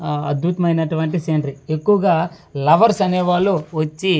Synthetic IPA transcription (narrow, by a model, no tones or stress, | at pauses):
ɐd̪bʱut̪ɐmɐjinɐʈuʋɐɳʈiseɳʈɾie̞kːuʋɐɡaː | lɐʋɐɾsɐnɛːʋaːluʋɐt͡ʃːi